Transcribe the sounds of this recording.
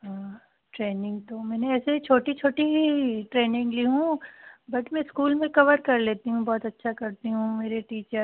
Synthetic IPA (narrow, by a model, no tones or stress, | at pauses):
ɦãː | ʈɾeːnɪ̃ŋɡd̪oːmɛːneɛːset͡ʃʰoːʈit͡ʃʰoːʈiɦiʈɾeːnɪ̃ŋɡliɦũbɐʈmɛ̃skuːlmẽkɐʋəɾkɐɾleːt̪iɦũbɔːt̪ɐtːʃʰakɐɾt̪iɦũmeːɾeʈiːt͡ʃəɾ